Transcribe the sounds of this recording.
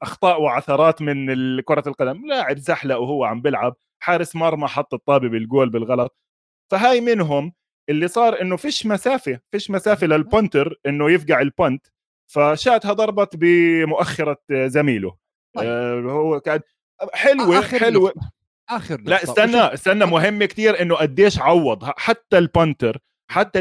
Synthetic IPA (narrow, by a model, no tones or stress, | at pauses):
ʔɑxt̪ˤɑːʔwɪʕaθɑːɾˤɑːt̪mɪnɪlkʊɾˤɑlqɑd̪amlaːʕɪbsaħlawhʊwːaʕambɪlʕab̚ | ħaːɾɪsmɑɾˤmɑħɑt̪ˤːɨt̪ˤːɑːbibɪlɡoːlbɪlɣɑlɑt̪̚ˤ | faɦaːjmɪnɦʊm | ʔɪlːisˤɑːɾˤʔɪnːʊfiːʃmasaːfifiːʃmasaːfilɪlpont̪ɪɾʔɪnːʊjɪfɡaʕɪlpont̪ | faʃaːʔt̪hɑd̪ˤɑɾˤbɑt̪bɪmʊʔaxːɑɾˤazamiːlʊ̰ | hʊːka | ħɪlwiħɪlwi | ʔaɾlaʔɪsːanːaʔɪsːanːamʊɦɪmːakt̪iːɾʔɪnːʊʔad̪ːeːʃʕɑwːɑd̪ˤhaħat̪ːalpʊnt̪ɪɾ | ħat̪ːa